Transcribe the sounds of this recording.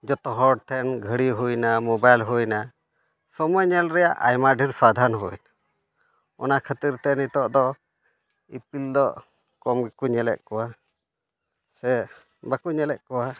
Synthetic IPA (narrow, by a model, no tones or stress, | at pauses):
d͡ʒɔt̪ɔɦɔɖ̚t̪ʰɛnɡʱəɽiɦujnamɔbajlɦujna | sɔmɔjɲɛlɾɛjaʔajmaɖʱiɾsad̪ʱanɦujn | ɔ̰nakʰət̪iɾt̪ɛnit̪ɔʔd̪ɔ | ipild̪ɔʔ | kɔmɡikuɲɛlɛ̰ʔ̪̚kɔwa | sɛ | bakuɲɛlɛʔ̪̚kɔwa